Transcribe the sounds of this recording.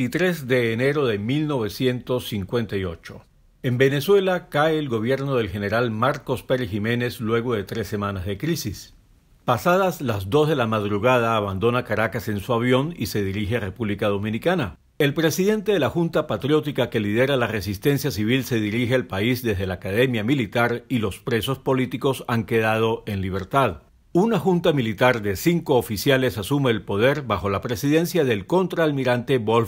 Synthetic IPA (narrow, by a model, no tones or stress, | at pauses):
it̪ɾe̞zd̪e̞ːne̞ɾo̞ðe̞milno̞βe̞sje̞nt̪o̞sːiŋkwe̞nt̪ajo̞t͡ʃo̞̰ | e̞mbe̞ne̞swe̞lakaeːlɡo̞β̞je̞ɾnoð̞e̞lxe̞ne̞ɾalmaɾko̞speɾxime̞ne̞slwe̞ɣo̞ðe̞t̪ɾe̞sːe̞manazðe̞kɾisis | pasaðazlazd̪o̞zðe̞lamaðɾuɣað̞aːβand̪o̞nakaɾakase̞nsuaβjo̞nise̞ðiɾixere̞puβlikað̞o̞mĩnikana | e̞lpɾe̞siðe̞nt̪eðe̞laxunt̪apat̪ɾjo̞t̪ikake̞liðe̞ɾalare̞sist̪ensjasiβ̞ilse̞ðiɾixe̞alpaisðe̞zðe̞laːkaðe̞mjamilit̪aɾilo̞spɾe̞so̞spo̞lit̪iko̞saŋke̞ðað̞o̞ʔe̞nliβ̞e̞ɾt̪að | unaxunt̪amilit̪aɾðe̞siŋko̞ːfisjale̞sasume̞ːlpo̞ð̞e̞ɾbaxo̞lapɾe̞siðe̞nsjaðe̞lko̞nt̪ɾaːlmiɾant̪e̞βol